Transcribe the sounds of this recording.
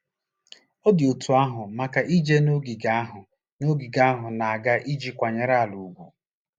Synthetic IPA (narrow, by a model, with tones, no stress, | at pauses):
o˦dɪ˨o˨tʰu˨˦a˦ɦʊ˨ma˨ka˨ʔi˦d͡ʒe˦no˦ɡi˨ɡa˦ɦʊ˨ | no˦ɡi˨ɡa˦ɦʊ˨na˨a˨ɡa˦ʔi˦d͡ʒi˦kʷa˨ɲe˨ɾa˦a˨lu˨ɡʷu˨